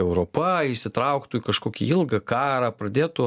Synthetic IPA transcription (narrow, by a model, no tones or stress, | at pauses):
ɛʊɾoːpɐɪʃsʲɪt̪ɾɐʊkt̪uːikɐʃkoːkʲḭɪlˠɡɐkɑːɾɐːpɾɐd̪ʲeːt̪ʊ